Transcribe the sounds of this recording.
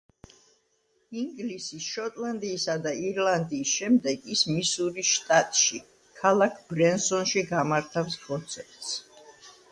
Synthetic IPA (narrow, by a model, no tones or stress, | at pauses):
iŋɡlisisʃɔt̪ʼlˠand̪iːsad̪aiɾlˠand̪iːsʃɛmd̪ɛɡismisuɾiʃt̪ʼat̪ʼʃi | kʰalˠakʰbɾɛnsɔnʃiɡamaɾt̪ʰafskʰʼɔnt̪sʰɛpt̪s